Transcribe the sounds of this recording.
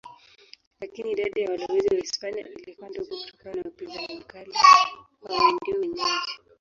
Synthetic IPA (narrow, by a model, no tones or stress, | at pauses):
lakiniːɗaɗajawalɔwɛziwaispania̰ʔilikuandiɔkutɔ̥kaanawapinzaɲim̩kaliwawɛndiɔwɛɲii